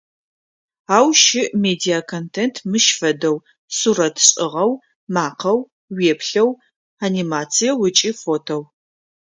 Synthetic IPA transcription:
aːwʃɪmeːdiakʰontʰentʰmɨʃfɐdɐw | suɾɐtʰɕʼɪʁɐw | maːqʰɐw | weːpʰɬɐw | animaːt͡sʰijɐwʊt͡ʃʼiːfoːtʰow

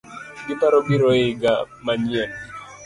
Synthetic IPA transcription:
ɡɪpaɾɔɡiɾɔɪɡa | maɲɛn

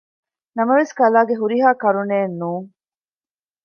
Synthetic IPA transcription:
nɐmɐʋeskɐlaːɡeɦuɾiɦaːkɐɾuneːnːuːŋ

